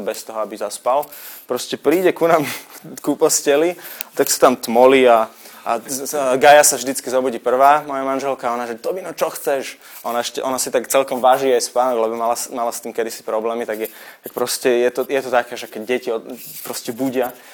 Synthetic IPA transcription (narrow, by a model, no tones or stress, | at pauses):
bɛst̪ɔɦɔabizaspalpɾɔscɛpɾiːɟɛkunaːmkupɔscɛliat̪aksḁt̪amt̪mɔliaaɡajasavʒd̪it͡skizɔbɔɟiːpr̩ʋaːmɔjamanʒɛlkaɔnaʒɛt̪ɔbinɔt͡ʃɔxt͡sɛʃ | ʔɔnaɛʃcɛʔɔnasit̪akt͡sɛlkɔmʋaʒiːajspaːnɔɡlɛbɔmalasmalast̪iːmkɛd̪isi̥pɾɔblɛːmit̪aɡɛt̪ak̚pɾɔscɛjɛt̪ɔjɛt̪ɔt̪akɛːʒɛkɛɟɟɛciɔpɾɔscɛbuɟɪa